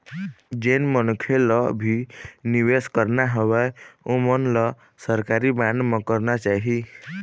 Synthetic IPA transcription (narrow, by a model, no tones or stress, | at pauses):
d͡ʒenmənukʰelɔbʱiniweskəɾnaɦəβɛomənlɔ | səɾkaɾibanmẽkəɾnat͡ʃaɦi